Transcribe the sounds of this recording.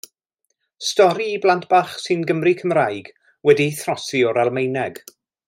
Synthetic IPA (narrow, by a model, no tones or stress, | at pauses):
stɔɾiːblˠantʰb̥aχsɨnɡəmrikʰəmrajɡ̥ | wɛdiθrɔsiɔɾalˠmejnɛɡ̥